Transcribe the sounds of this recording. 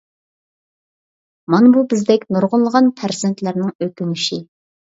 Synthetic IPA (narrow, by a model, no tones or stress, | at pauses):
mɑnbubɪzd̪ɛkʲnuɾʁʊnlˠəʁɑnpʰæɾzɪnt̪ʰlæɾnɪŋøkʲyŋyʃi